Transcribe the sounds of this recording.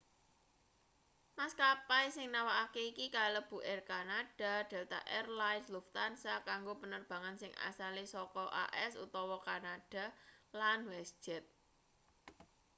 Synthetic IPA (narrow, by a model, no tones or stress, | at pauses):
maskapajsɪŋnawaʔakeikikaləb̥ṳʔɛrkanad̥a̤d̪̥ɛ̤lt̪a̰ʔɛrlajnsluft̪ansakaŋɡopənərb̥a̤ŋansɪŋa̰salisɔkɔʔa̰ʔɛsṵt̪ɔwɔkanaɖ̥a̤lanwɛsd̥ʒ̥ɛt̪̚